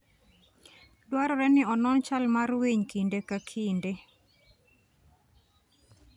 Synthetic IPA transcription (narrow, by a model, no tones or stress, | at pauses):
dwaɾɔɾɛnɪɔnɔnt͡ʃalmaɾweɲkindekakʰinde